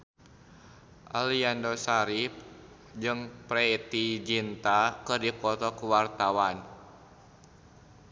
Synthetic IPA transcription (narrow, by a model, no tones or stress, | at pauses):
ʔaliandɔsaɾip̚ | d͡ʒɨŋpɾɛt̪id͡ʒint̪akɨrdikɔt̪ɔkuwart̪awan